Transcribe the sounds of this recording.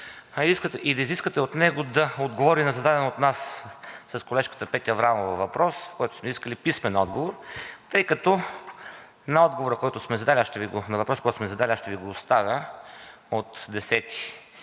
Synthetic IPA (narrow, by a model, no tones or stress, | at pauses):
ɐiziskt̪ɛʔid̪ɐiziskət̪ɛot̪nɛɡod̪ɐod̪ɡovɔɾinɐzɐd̪ad̪ɛnot̪nassɐskolɛʃkə̥t̪əpɛt̪ʲiɐvɾamovɐvɐpɾɔsfkɔjt̪ʊ̥smɛiskəlipismɛnɔd̪ɡovoɾt̪ɤjkɐt̪ɔ | nɐɔd̪ɡovoɾəkɔjt̪ʊsmɛzɐd̪alʲiaʃt̪ɛviɡonɐvɐpɾɔskɔjt̪smɛzɐd̪alʲiaʃt̪ɛviɡoːst̪avʲjə | ot̪d̪ɛsɛt̪i̥